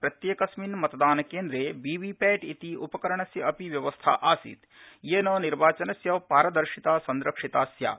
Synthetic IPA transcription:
pɾɐt̪jeːkɐsminmɐt̪ɐd̪aːnɐkeːnd̪ɾeːbiːʋiːpɛːʈit̪iʔupɐkɐɾɐɳɐsjɐʔɐpiʋjɐʋɐst̪ʰa̰ʔaːsḭːt̪ | jeːnoːniɾʋaːt͡ʃɐnɐsjɐʋpaːɾɐd̪ɐɾʂit̪aːsɐnd̪ɾɐkʂit̪aːsja̰ː

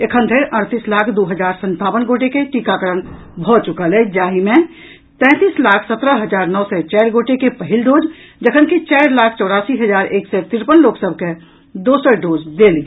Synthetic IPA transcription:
ekʰə̃nd̪ʱeɾʔəɽt̪iːslaːkʰd̪oːɦəd͡ʒaːɾsə̃nt̪aːʋənɡoːʈekeʈiːkakəɾən | bʱɔt͡ʃʊkalɛd͡ʒaːɦimẽ | t̪ɛ̃ːt̪iːslaːkʰsət̪ɾəɦəd͡ʒaːɾnɔːsɛt͡ʃɛːɾɡoːʈekepəɦɪlɖoːd͡ʒ | d͡ʒəkʰənkit͡ʃaːɾlaːkʰt͡ʃɔːɽaːsiɦəd͡ʒaːɾeːksɛt̪ɪɾpənloːksəb̚ʱke | d̪oːsəɾɖoːd͡ʒd̪eːliː

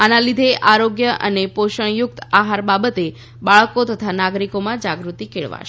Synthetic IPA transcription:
anãlid̪ʱeʔaɾoɡjəʔə̰nepoʃəɳ̃jʊk̚t̪aɦaɾbabət̪e | baɭkot̪ət̪ʰanaɡɾikomãd͡ʒaɡɾut̪ikeɭʋa̰ʃ

